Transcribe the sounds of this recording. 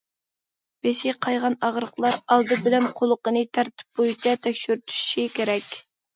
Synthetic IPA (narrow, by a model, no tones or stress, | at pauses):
b̥eʃiqʰɑjʁɑnɑʁɾəqlˠɑɾɑlˠd̪ɨbɪlɛmqʰolˠəqənɨt̪ʰæɾt̪ʰɪ̥p̚bojit͡ʃʰɑt̪ʰɛkʲʃyɾyt̪ʰy̥ʃʃikʲʰeɾɛkʲ